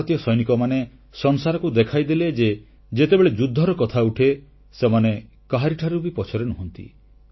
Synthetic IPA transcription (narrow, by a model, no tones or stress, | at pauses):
t̪jɔsɔjnikɔmanesɔŋsaɾɔkud̪ekʰajd̪iled͡ʒe | d͡ʒet̪ebeɭed͡ʒud̪ʱːɔɾɔkɔt̪ʰauʈʰe | semane | kaɦaɾiʈʰaɾubipɔt͡ʃʰɔɾenuɦɔnt̪ḭ